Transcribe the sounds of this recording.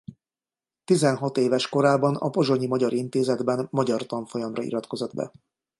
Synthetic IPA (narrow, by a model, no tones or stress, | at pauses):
t̪izɛnɦɒt̪eːvɛʃko̞ɾaːbɒnɒ̰po̞ʒo̞ɲimɒɟɒɾint̪eːzɛd̪bɛnmɒɟɒrt̪ɒɱfo̞jɒmrɒḭɾɒt̪ko̞zod̪bɛ̰